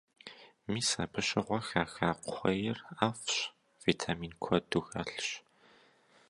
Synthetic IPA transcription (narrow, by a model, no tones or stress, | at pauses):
miːsaːpʰɨɕɪʁʷɔxaːxaːqʷʊχʷɐjɪraːfɕ | v̥itʰamiːnkʷʰɔduxɐɬɕ